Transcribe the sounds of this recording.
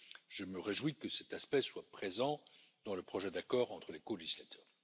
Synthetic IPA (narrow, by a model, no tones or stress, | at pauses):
ʒ̥əməʁeʒwikəsɛt̪aspɛswapχezɑ̃d̪̥ɑ̃ləpχɔʒɛd̪akɔːʁɑ̃t̪χəlekoleʒislat̪œːʁ